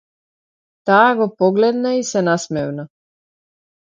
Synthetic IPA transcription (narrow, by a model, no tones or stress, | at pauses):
t̪aːɡopoɡled̪naisenasmeʋna